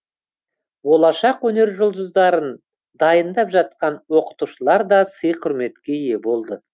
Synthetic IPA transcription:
wo̞lˠɑʃɑqwɵne̞ɾʒʊlˠd̪əzd̪ɑɾən | d̪ɑjənd̪ɑpʒɑt̪̚qɑnwo̞qə̥t̪uʃəlˠɑɾd̪ɑsəjqʰʊɾme̞t̪kʲe̞je̞bo̞lˠd̪ə

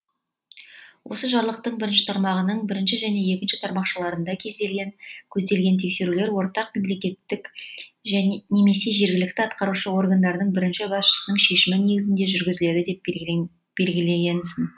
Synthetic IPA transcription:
wʔo̞səʒɑɾlˠəq̚t̪əɴbɪɾɪnʃɪ̥t̪ʰɑɾmɑʁənəɴbɪɾɪnʃɪʒæne̞je̞kʲɪnʃɪt̪ʰɑɾmɑqʃəlˠɑɾənd̪ɑkʲʰe̞zd̪e̞lɡʲe̞nkʲʰɵzd̪e̞lɡʲe̞nt̪ʰe̞kse̞ɾule̞ɾwo̞ɾt̪ɑqme̞mle̞kʲe̞t̪ːɪkʒæne̞me̞se̞ʒe̞ɾɡʲɪlɪk̚t̪ɪɑt̪qɑɾuʃəo̞rɡand̪ɑɾnəɴbɪɾɪnʃɪbɑsʃə̥sənəɴʃe̞ʃɪmɪne̞ɡʲɪzɪnd̪e̞ʒʏɾɡʲɪzɪle̞d̪ɪd̪e̞p | b̥e̞lɡʲɪle̞ɡʲe̞nsɪn

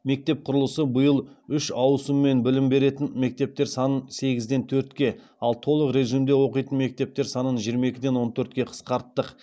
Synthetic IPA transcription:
me̞k̚t̪e̞p̚qʰʊɾəlˠəsəbəjəlˠʏʃɑwsəmːe̞nbɪlɪmbe̞ɾe̞t̪ɪnme̞k̚t̪e̞p̚t̪e̞ɾsɑnənse̞ɡʲɪzd̪e̞nt̪ʰɵɾt̪kʲe̞ | ɑlˠt̪ʰo̞lˠəqɾe̞ʒɨjmd̪e̞wo̞qəjt̪ənme̞k̚t̪e̞p̚t̪e̞ɾsɑnənʒijɾmɑe̞kʲɪd̪e̞nwo̞nt̪ʰɵɾt̪kʲe̞qʰə̥sqɑɾt̪ːəq

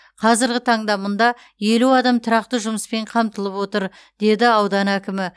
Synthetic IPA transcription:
qʰɑzɪɾɡʲɪt̪ʰɑɴd̪ɑmʊnd̪ɑ | je̞luɑd̪ɑmt̪ʰʊɾɑq̚t̪əʒʊməspe̞ɴqʰɑmt̪əlˠəpwo̞t̪əɾ | d̪̥e̞d̪ɪɑwd̪ɑnækʲɪmɪ

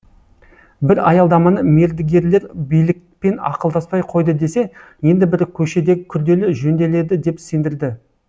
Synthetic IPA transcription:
bɪɾɑ̰jɑlˠd̪ɑmɑnəme̞ɾd̪ɪɡʲe̞ɾle̞ɾbijlɪk̚pe̞nɑ̰qəlˠd̪ɑspɑjqʰo̞jd̪əd̪e̞se̞ | je̞nd̪ɪbɪɾkʲʰɵʃe̞d̪e̞ɪkʲʰʏɾd̪e̞lɪʒɵnd̪e̞le̞d̪ɪd̪e̞psend̪ɪɾd̪ɪ

